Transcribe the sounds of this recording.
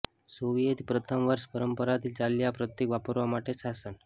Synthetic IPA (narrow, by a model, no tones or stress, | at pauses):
soʋijet̪pɾət̪ʰəmʋəɾspəɾəmpəɾat̪ʰiːlt͡saljapɾət̪jekʋapəɾʋamaʈʰesasən